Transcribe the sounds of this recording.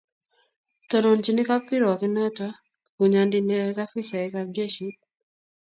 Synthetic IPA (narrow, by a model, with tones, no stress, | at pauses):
tɔ˨no˨nt͡ʃi˦ni˦ka˦pi˦ɾɔ˨kɪ˦nɔ˦ta˦ | ku˨ɲa˨ndi˦nɛ˦ka˦fi˦sa˨ɛ˦kad͡ʒe˦ʃi˦